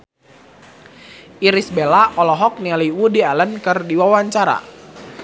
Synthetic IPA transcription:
ʔiɾisbelaʔɔlɔɦɔk̚nialiwudialənkɨrdiwawaɲt͡ʃaɾa̰

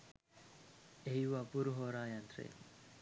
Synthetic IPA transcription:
eɦiʋapuɾuɦoːɾaːjant̪ɾḛː

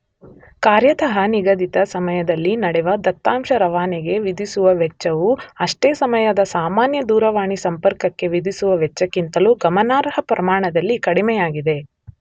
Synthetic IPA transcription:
kaːɾjɐt̪ɐɦɐniɡɐd̪it̪ɐsɐmɐjɐd̪ɐlːinɐɽɛʋɐd̪ɐt̪ːaːmʃɐɾɐʋaːnɛɡe̞ʋid̪isuʋɐʋɛt͡ʃːɐʋuɐʂʈeːsɐmɐjɐd̪ɐsaːmaːnjɐd̪uːɾɐʋaːɳisɐmpɐɾkɐkːe̞ʋid̪ʱisuʋɐʋɛt͡ʃːɐkːint̪ɐluɡɐmɐnaːɾɦɐpɾɐmaːɳɐd̪ɐlːikɐɽimɛjaːɡid̪e̞

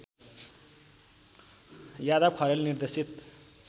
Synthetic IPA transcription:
jad̪ʌb̚kʰʌɾelnird̪esit̪

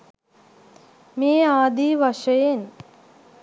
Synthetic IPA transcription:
miːaːd̪iːʋɐʂɐjen

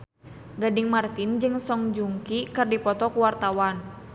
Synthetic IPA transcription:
ɡadiŋmart̪ind͡ʒɨŋsɔŋd͡ʒuŋkikɨrdipɔt̪ɔkuwart̪awan

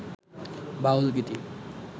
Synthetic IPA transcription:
baulkit̪i

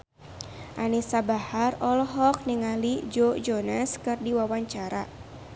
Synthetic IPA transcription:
ʔanisabaharɔlɔɦɔk̚niŋalid͡ʒod͡ʒonaskɨrdiwawaɲt͡ʃaɾa

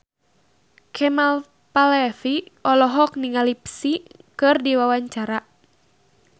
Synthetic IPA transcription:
kʰɛmal | palɛfiɔlɔɦɔk̚niŋalipsikɨrdiwawaɲt͡ʃaɾa

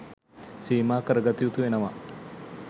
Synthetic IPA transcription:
siːmaːkɐɾɐɡɐt̪ijut̪uʋenɐʋɐ

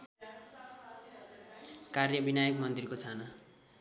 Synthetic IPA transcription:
karjʌbinajʌkmʌnt̪rikot͡sʰanʌ

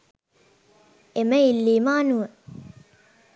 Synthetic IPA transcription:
eməilːiːmaːnuə

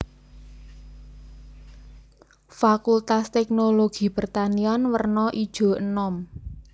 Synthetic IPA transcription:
fakult̪ast̪ɛk̚noloɡ̥i̤pərt̪anianwərnɔʔid̥ʒ̥o̤ʔənɔm

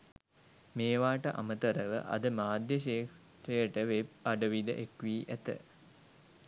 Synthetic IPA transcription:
meːʋaːʈəʔa̰mət̪əɾəʋə̰ʔa̰d̪əmaːd̪jəʃeːk | t̪ejəʈəʋeb̚aɖəʋid̪ə̰ʔekʋiːʔæt̪ə̰

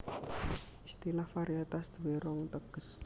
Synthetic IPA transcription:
ist̪ilahfaɾiat̪asd̪̥uweɾɔŋt̪əɡ̥əs

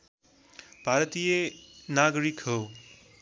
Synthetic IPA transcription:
b̥ʱaɾət̪ijenaɡɾikɦo

